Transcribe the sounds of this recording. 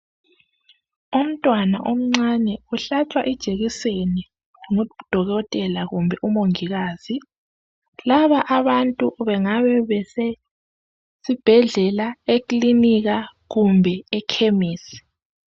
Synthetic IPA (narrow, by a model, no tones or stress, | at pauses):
um̩tʼwana̰ʔom̩ŋ͡ǀanɛuɬat͡ʃʼwaʔɛd̥ʒ̥ʱeɣiseni | uŋud̥ʱɔɣɔtʼɛlaɣumbʱɛʔumoŋiɣaːz̥i | laβaʔaβantʼuβɛŋaβɛβɛsɛ | sib̥ʱɛɮɛlaekliniɣaɣumbʱɛɛkʰemiːsi̥